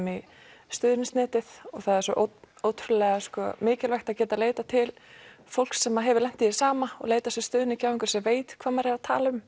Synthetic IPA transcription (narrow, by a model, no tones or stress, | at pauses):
mi | st̪ʏːðnsnɛːt̪ɪð̥ɔɣθaðɛɾ̥sɔ̰ʔowt̪ʰɾʏlɛɣaskɔ̰mɪːcɪlvɛxt̪aðcɛːt̪aleːjt̪at̪ʰɪl | fowl̥ksɛmːaɦɛvɪlɛm̥t̪isaːmaɔ̰ɣleːjt̪asɛst̪ʏːðɪnɪcʰaːwiŋkʏ̥ɾ̥sɛmveːjt̪kʰvaːmɛɾɛvat̪ʰa̰ːlʏm